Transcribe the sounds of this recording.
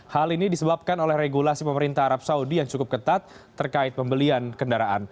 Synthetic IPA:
halinidisəbap̚kanolɛhreɡulasipəməɾint̪aɦaɾap̚saudijaŋt͡ʃukʊp̚kət̪at̪̚ː | ərkaɪt̪̚pəmbəliankəndaɾaʔan

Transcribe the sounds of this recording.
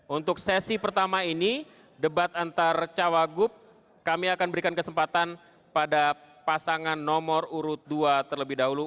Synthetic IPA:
ʔunt̪ʊksɛsipərt̪amaini | dəbat̪ant̪art͡ʃawaɡʊp̚ | kamiakanbəɾikankəsəmpat̪an | padapasaŋanːɔmɔruɾʊt̪̚duat̪ərləbɪhdaɦulu

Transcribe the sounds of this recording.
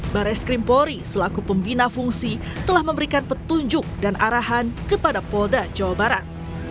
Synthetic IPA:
baɾɛskɾimpoɾisəlakupəmbinafuŋsi | t̪əlahməmbəɾikanpət̪uɲd͡ʒʊk̚danʔaɾaɦankəpadapoldad͡ʒawabaɾat̪̚

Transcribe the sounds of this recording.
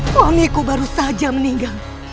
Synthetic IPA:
oɐmekobɐɾosaɦd͡ʒɐmnĩɡa

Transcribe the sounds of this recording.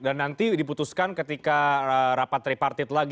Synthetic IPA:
danːant̪idiput̪uskankət̪ikaəɾapat̪ɾipart̪ɪt̪laɡ

